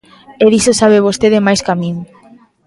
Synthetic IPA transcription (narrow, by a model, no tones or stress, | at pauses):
eðisosaβeβ̞ost̪eðemajskamĩŋ